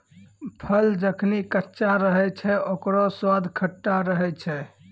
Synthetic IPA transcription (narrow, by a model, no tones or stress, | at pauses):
pʰəld͡ʒəkʰnikətːʃaɾəɦɛt͡ʃʰɛʔokɾoswad̪ʱkʰəʈːaɾəɦɛt͡ʃʰɛ